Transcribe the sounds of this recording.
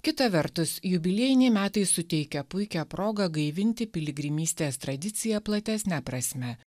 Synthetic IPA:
kʲɪt̪ɐʋʲɛɾt̪ʊsjʊbʲɪlʲiɛjɪnʲɛɪmʲæːt̪ɐɪsʊt̪ʲɛɪkʲɛpʊɪkʲæːpɾoːɡɐɡɐɪʋʲɪnʲt̪ʲɪpʲɪlʲɪɡɾʲɪmʲiːsʲt̪ʲeːst̪ɾɐd̪ʲɪt̪sʲɪjɛplˠɐt̪ʲæsʲnʲæpɾɐsʲmʲɛ

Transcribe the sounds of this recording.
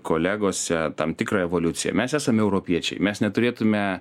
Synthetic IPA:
koːlʲæːɡoːsʲɛt̪ɐmt̪ʲɪkɾɑːɛʋoːlʲʊt̪sʲɪjɛ̰mʲɛsæːsɐmʲɛʊɾoːpʲiɛt͡ʃʲɛ̰ɪmʲɛsnʲɛt̪ʊɾʲeːt̪ʊmʲɛ

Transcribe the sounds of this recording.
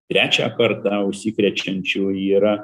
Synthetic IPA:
t̪ʲɾʲæːt͡ʃʲæ̰ːkɐrt̪ɑːʊʃʲsʲikɾʲɛt͡ʃʲɛnʲt͡ʃʲuːiːɾɐ

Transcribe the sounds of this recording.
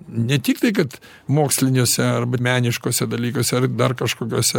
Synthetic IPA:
nʲɛt̪ʲiːk̚t̪ɐɪkɐt̪ | moːksʲlʲɪnʲoːsʲɛɐrbɐmʲæːnʲɪʃkoːsʲɛd̪ɐlʲiːkoːsʲɛɐrd̪ɐrkɐʃkoːkʲoːsʲɛ

